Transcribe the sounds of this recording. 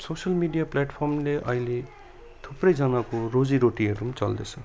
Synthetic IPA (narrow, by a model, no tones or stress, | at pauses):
sosʌlmiɖijaplaʈpʰʌrmleʔʌɦile | t̪ʰuprʌjd͡zʌnakorod͡ziɾoʈiɦʌɾumt͡sʌ̰ld̪et͡sʰʌ